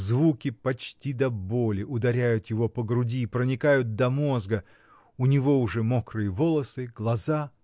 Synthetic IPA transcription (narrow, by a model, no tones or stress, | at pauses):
zvukʲɪpɐt͡ɕtʲid̪ɐbo̞lʲɪʔʊd̪ɐɾʲæjʊt̪jɪvo̞pəɡɾʊdʲiːpɾənʲɪkajʊt̪̚d̪ɐmo̞zɡə | ʊnʲɪvo̞ʊʐɛmokrɨjəvo̞lˠəsɨɡlˠɐza